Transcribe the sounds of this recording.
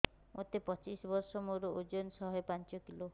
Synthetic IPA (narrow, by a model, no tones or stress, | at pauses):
mʔot̪epɔt͡ʃisbɔɾsɔmoɾuod͡ʒonsɔɦɔepant͡ʃɔkilo